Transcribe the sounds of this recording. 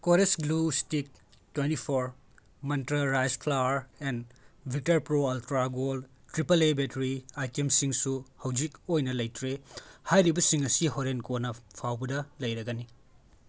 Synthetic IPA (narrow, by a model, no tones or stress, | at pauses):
koɾesɡlustik̚twentipʰoɾ | mɐntɾɐɾajspʰlawɾenbʱik̚tɐɾpɾoɐltɾaɡol | tɾipɐlebetɾiajtemsiŋsuhɐwd͡ʒikojnɐlɐjtɾehajɾibɐsiŋɐsiɦoɾenkonɐpʰawbɐdɐlɐjɾɐɡɐni